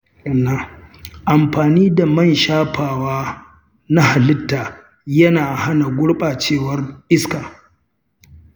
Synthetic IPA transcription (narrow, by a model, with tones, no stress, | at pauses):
ɐ˨nːa˦ʔa˨mɸaː˨niː˦da˨mɐ˦˨nʃaː˦ɸaː˨waː˦ | na˦ha˨lɪ˦tːaː˨ | jɐ˦naː˨ha˦na˨ɡʷʊ˦ɽɓaː˨t͡ʃeː˦˨wɐ˦rʔɪ˦skaː˨